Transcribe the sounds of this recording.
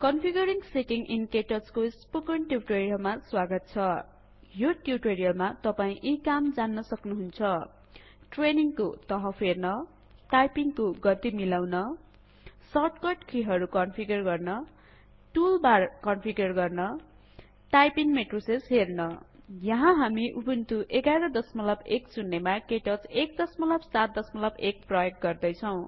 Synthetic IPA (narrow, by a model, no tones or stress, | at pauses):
kʌnpʰiɡʌɾiŋseʈiŋʔinkeʈʌskospukʌnʈjuwʈoɾijʌlmaswaɡʌt̪̚t͡sʰʌ | joʈjuʈoɾijʌlmat̪ʌpaĩʔikamd͡zanːʌsʌknuɦunt͡sʰʌ | ʈreniŋkot̪ʌɦʌpʰernʌ | ʈajpiŋkoɡʌt̪imilawnʌ | sʌʈkʌʈkʰiɦʌɾukʌnpʰiɡʌrɡʌrnʌ | ʈulbarkʌnpʰiɡʌrɡʌrnʌ | ʈajpiŋmeʈrosesɦernʌ | jʌɦãɦamiʔubunt̪uʔeɡajɾʌd̪ʌsmʌlʌbeksunːemakeʈʌt͡sek̚d̪ʌsmʌlʌbsat̪̚d̪ʌsmʌlʌbek̚prʌjek̚ɡʌrd̪ʌjt͡sʰʌw̃